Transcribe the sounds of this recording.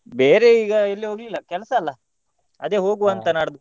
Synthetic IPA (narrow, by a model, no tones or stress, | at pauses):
beːɾe̞iːɡɐelːiɦoːɡlilːɐkɛlɐsɐːlːɐ | ɐd̪e̞ːɦo̞ːɡuɐnt̪ɐnaːɽd̪u